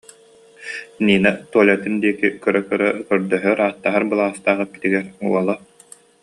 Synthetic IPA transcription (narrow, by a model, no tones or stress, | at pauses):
niːnat̪uɔlʲɛt̪ind̪iɛkikœɾœkœɾœkœɾd̪œɦœɾaːt̪ːaɦaɾbɯlˠaːst̪aːʁɯkit̪iɡɛɾuɔlˠɔ